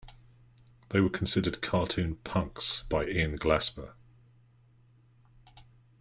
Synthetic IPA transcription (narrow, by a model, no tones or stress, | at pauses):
ðeɪwəkʰə̃nsɪdəd̚kʰɑˑtʰʉ̃ːnpʰʌ̃ŋksb̥aɪɪ̃nɡlasbə̰